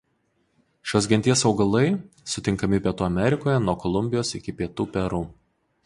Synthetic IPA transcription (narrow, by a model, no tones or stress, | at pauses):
ʃʲoːs̬ɡʲɛnʲt̪ʲiɛsɒʊɡɐlˠɐɪ | sʊt̪ʲɪŋkɐmʲɪpʲiɛt̪uːɐmʲɛɾʲɪkoːjɛnuɔkɔlˠʊmʲbʲɪjoːsɪkʲɪpʲiɛt̪uːpʲɛɾuː